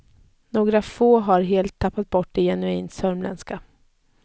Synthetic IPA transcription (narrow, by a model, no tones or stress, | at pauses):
noːɡɾafoːɦaɾɦeːlt̪ʰːapːat̪̚bɔʈːɪjɛnɵiːnsœɾmlɛ̰nska